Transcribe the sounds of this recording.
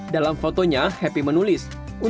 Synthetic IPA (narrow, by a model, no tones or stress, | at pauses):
dalamfot̪oɲahɛpimənulɪs | u